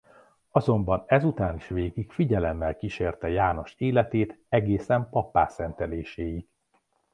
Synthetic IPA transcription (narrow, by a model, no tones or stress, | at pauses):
ɒzo̞mbɒnɛzut̪aːniʃʋeːɡikfiɟɛlɛmːɛlkiʃeːrt̪ɛjaːno̞ʃeːlɛt̪eːt̪ɛɡeːsɛmpɒpːa̰ːsɛnt̪ɛleːʃeːjiɡ